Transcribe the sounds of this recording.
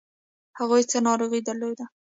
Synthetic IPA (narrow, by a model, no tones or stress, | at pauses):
haɣujt͡sənɑɾoɣid̪əɾlojd̪a